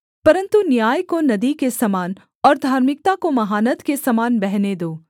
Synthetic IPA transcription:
pɐɾə̃nt̪unjaːjkonɐd̪ikesɐmaːn | ɔːɾd̪ʱaːɾmɪk̚t̪akomɐɦaːnət̪kesɐmaːnbɛɦned̪oː

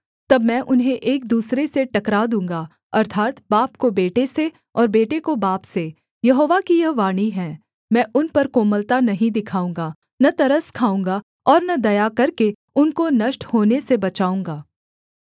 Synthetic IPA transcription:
t̪ɐbmɛ̃ʔʊnɦẽʔeːk̚d̪uːsɾeseʈɐkɾad̪ũːŋɡaː | ɐɾt̪ʰaːt̪baːp̚kobeːʈese | ɔːɾbeːʈekobaːpse | jɐɦoːʋakijɐɦʋaːɽ̃iɦɛ̃ː | mɛ̃ːʔʊnpɐɾkoːməlt̪anɐɦĩd̪ɪkʰaːũːŋɡaː | nɐt̪ɐɾəskʰaːũːŋɡa | ɔːɾnɐd̪ɐjakɐɾke | ʊnkonɐʃʈhoːnesebɐt͡ʃaːũːŋɡaː

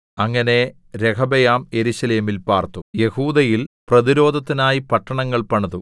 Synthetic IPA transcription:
ɐŋːɐne̞ | ɾekʰɐbejaːmje̞ɾuɕɐleːmilpaːrt̪ːuje̞huːd̪ɐjilprɐðiɾo̞ːd̪ʱɐt̪ːinaːjipɐʈːɐɳɐŋːɐɭpɐɳɐðu

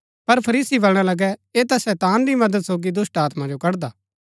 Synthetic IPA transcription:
pɐɾpʰɐɾiːsibɐlɽ̃alɐɡɛeːt̪asɛːt̪aːnɾimɐd̪əd̪soːɡid̪ʊsʈaːt̪mãd͡ʒokɐɽd̪aː

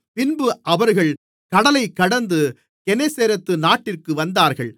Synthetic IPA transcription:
pɪnbɯʔɐʋɐɾɣɐɭ | kɐɽɐlɐɪkːɐɽɐnd̪ɯ | kɛneseːɾɐt̪ːɯnaːʈːɪrkɯʋɐnd̪aːɾɣɐɭ

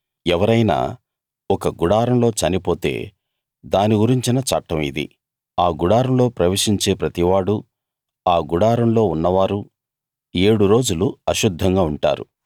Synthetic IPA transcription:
ɛʋɐɾɐjna̰ː | ɔkɐɡuɽaːɾɐmlo̞ːt͡ʃɐnipo̞ːt̪e̞̰ː | d̪aːniɡuɾiɲt͡ʃinɐt͡ʃɐʈːɐmḭd̪ḭ | aːɡuɽaːɾɐmlo̞ːpɾɐʋeʂiɲt͡ʃe̞ːpɾɐt̪iʋaːɽu | aːɡuɽaːɾɐmlo̞ːunːɐʋaːɾu | e̞ːɽuɾo̞ːd͡ʒuluɐʃud̪ʱːɐŋɡaːuɳʈa̰ːɾṵ

